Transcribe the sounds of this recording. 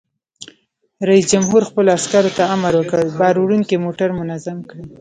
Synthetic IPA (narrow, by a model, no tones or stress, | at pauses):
ɾaisd͡ʒamɦuɾxpəloaskaɾot̪aamaɾwəkəəɭbɑɾuɽuŋkemoʈaɾmʊnazamkɽi